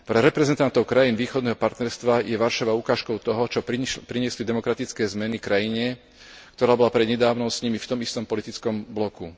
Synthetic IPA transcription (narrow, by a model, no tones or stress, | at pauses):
pɾɛɾɛpɾɛzɛnt̪ant̪ɔʊkɾajiːnʋiːxɔd̪nɛːɦɔpaɾt̪nɛɾst̪ʋajɛʋaɾʃaʋaukaːʃkɔʊt̪ɔɦɔt͡ʃɔpɾiɲɪɛslid̪ɛmɔkɾat̪it͡skɛːzmɛnikɾajiɲɛ | kt̪ɔɾaːbɔlapɾɛd̪ɲɛd̪aːʋnɔʊsɲimift̪ɔmist̪ɔmpɔlit̪it͡skɔmblɔku